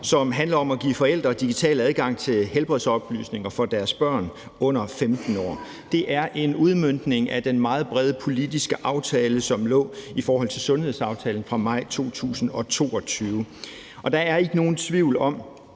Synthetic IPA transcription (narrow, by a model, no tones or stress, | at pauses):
sɒ̽mɦænlɐɒ̽mæɡ̥ḭːfɒ̽el̰d̥ʁɐd̥iɡ̥it͡sʰɛ̰ːlæðˠɡ̥ɑ̈ŋ̰t͡sʰe̝lɦelb̥ʁɛðˠsɒ̽b̥ly̰sne̝ŋɐfɒ̽d̥æɐsb̥ɶɐ̰n | ɔ̽n̰ɐfemd̥n̩ɒ̰ː | d̥e̝ʔæɐʔe̝nuð̞ˠmøn̰d̥ne̝ŋʔæd̥enmɑ̈ːð̞̩ˠb̥ʁɛð̞ˠəpʰo̝lid̥isɡ̥əʔɑ̈ʊt͡sʰɛːləsɒ̽mlɔ̰̽ːifɒːɦɒl̰t͡sʰe̝lsɔ̽nhe̝ðˠsɑ̈ʊt͡sʰɛːln̩fʁɑ̈mɑ̈ɪ̰t͡sʰo̝̰ːt͡sʰṵːsn̩ɒ̽t͡sʰo̝̰ːɒ̽t͡sʰyːʊ | ʔɒ̽d̥ɑ̈æɐe̝ɡ̥əno̝ːn̩t͡sʰʋiʊ̰lɒ̽m